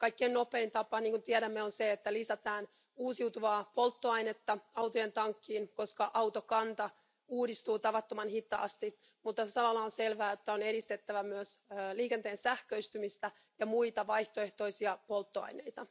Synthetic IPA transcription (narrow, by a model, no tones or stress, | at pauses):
kɑjkːiennope̞ːnt̪ɑpɑniːŋkunt̪iɛɾæmːeonseet̪ːælisæt̪ɑːn | uːsiwt̪uʋɑːpo̞lt̪ːoɑinet̪ːɑɑwt̪ojent̪ɑŋkːiːnko̞skɑʔɑwt̪okɑnt̪ɑ | uːdist̪uːt̪ɑʋɑt̪ːomɑnhit̪ːˑɑ̰ːst̪i | mut̪ːɑsɑmɑlːɑonselʋæːjot̪ːæoneɾist̪e̞t̪ːæʋæmyøsliːkent̪eːnsæhkøist̪ymist̪æ | jɑmuit̪ɑʋɑjht̪o̞e̞ht̪o̞isiɑpo̞lt̪ːoɑ̰jne̞jt̪ɑ